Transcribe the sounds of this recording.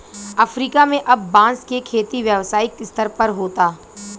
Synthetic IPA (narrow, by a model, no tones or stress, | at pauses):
ɐfɾiːkamẽʔɐbːãːnskekʰeːt̪iʋjəʋsaːikɪst̪ʰəɾpɐɾɦoːt̪aː